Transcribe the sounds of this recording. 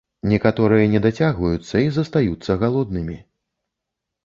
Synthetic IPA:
nʲɛkat̪ɔɾɨjɐnʲɛd̪at͡sʲaɣvɐjut̪sːɐizɐst̪ajut̪sːɐɣalˠɔd̪nɨmʲi

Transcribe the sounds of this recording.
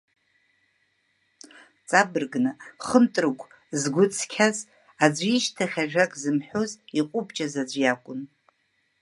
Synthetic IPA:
t͡sʼabɨrɡnɨχəmtʼrɡʷʼ | zɡʷʊt͡sʰkʲʰaz | ad͡ʒʷiʃtʰaχʲaʒᶣakʼzɨmħʷᶣoziqʷʼʊbt͡ʃʼazad͡ʒʷjakʷʼʊn

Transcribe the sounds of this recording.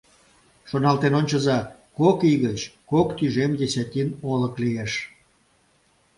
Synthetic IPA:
ʃonɑlt̪enonʲt͡ɕəzɑkokiɣət͡ɕkokt̪yʒemd̪ʲesʲæt̪ʲinoləklieʃ

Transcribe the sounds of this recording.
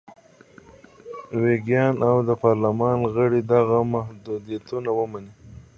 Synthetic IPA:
weɡjɑnawd̪əpɑɾlamɑnɣəɽid̪aɣamahd̪ud̪ijat̪unawəmani

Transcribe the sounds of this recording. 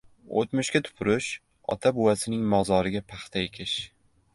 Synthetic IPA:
o̰t̪mʊʃkʲat̪ʰʊ̥pʰʊɾɪʃ | ɒ̰t̪ʰabʊwasɪnɪŋmɒʁzɒɾɪɡʲapʰɑχt̪ʰaekʲʰɪʃ

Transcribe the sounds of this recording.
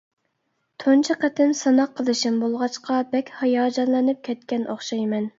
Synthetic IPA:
t̪ʰont͡ʃʰiqæt̪ʰɪnsɑnɑqʰːəlˠɨʃɪmbolˠʁɑt͡ʃqɑbɛkʲhɑjɑːd͡ʒɑnlˠɨnɨp̚kʲʰɛt̪̚kʲɛnʔoχʃɑjmɛn

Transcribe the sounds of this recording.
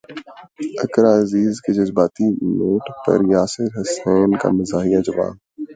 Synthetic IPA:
ɐkɾaːɐziːzked͡ʒɐzbaːt̪inoːʈpɐ̰ɾjaːsɪɾɦɐsaːnka̰mɐzaːɦijad͡ʒɐba̰ːn

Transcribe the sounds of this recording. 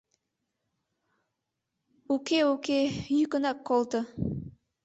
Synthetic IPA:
ukeukejykə̆nɑkːolˠd̪ə

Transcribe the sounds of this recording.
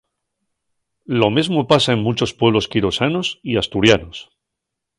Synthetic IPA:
lo̞mezmopasae̞ŋmut͡ʃo̞spweβ̞lo̞skiɾosanosiast̪uɾjanos

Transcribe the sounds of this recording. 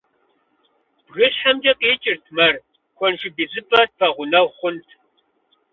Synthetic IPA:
b̥ɣɨɕħɐmd͡ʒɐqʼeːt͡ʃʼɪrtʰmɐr | kʷʰɔnʒɪbizɨpʼɐt̚pʰɐʁʷʊnɐwχʷʊntʰ

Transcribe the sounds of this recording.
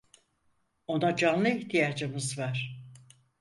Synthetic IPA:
o̞nad͡ʒanlˠɯiçt̪ʰijaːd͡ʒɯmɯzvaɾ̥

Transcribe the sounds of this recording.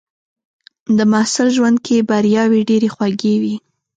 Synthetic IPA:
d̪əmahsɪlʒwand̪̚kʰebaɾjɑweɖeɾexwaɡewi

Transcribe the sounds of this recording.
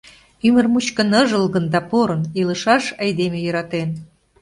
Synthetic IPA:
ymərmut͡ɕkə̆nəʒəlɣə̆nd̪ɑpoɾɤ̆nilə̆ʃɑʃɑjd̪emejə̆ɾɑt̪en

